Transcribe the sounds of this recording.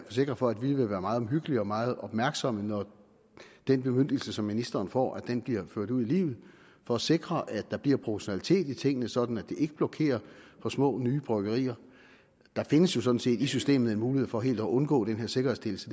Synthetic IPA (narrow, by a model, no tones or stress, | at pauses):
fɒse̝ɡ̥ʁɐfɒ̽ædʋiʋe̝ʋæːɐmɑ̈ːð̩ˠɒmɦyɡ̥əliɒ̽mɑ̈ːð̞̩ˠɒ̽b̥mæɐɡ̥sɒ̽mənɒ | d̥enb̥e̝møn̰d̥l̩səsɒ̽mːinisd̥ɐːnfɒ̰ːæ̥enb̥liɐ̰føɐ̰ɾ̥uðˠilḭːʊð̞̩ˠ | fɒ̽æse̝ɡ̥ʁɐʔæ̥ɑ̈b̥liɐ̰pʰʁo̝pʰoɕo̝nælit͡sʰe̝̰ːd̥it͡sʰe̝ŋ̰ənəsɒ̽d̥n̩æd̥e̝ʔe̝ɡ̥əb̥lɒ̽kʰe̝̰ːɐfɒ̽smɔ̰̽ːnyːb̥ʁœɡ̥ɐʁḭːɐ | d̥ɑ̈fe̝nəsjo̝sɒ̽d̥n̩se̝̰ːd̥isysd̥e̝̰ːmð̩ˠe̝nmuːlihe̝ð̩̰ˠfɒ̽ːɦe̝̰ːld̥ɒʔɔ̽nɡ̥ɔ̰̽ːd̥enɦeɐse̝ɡ̥ɐhe̝sd̥e̝l̩sə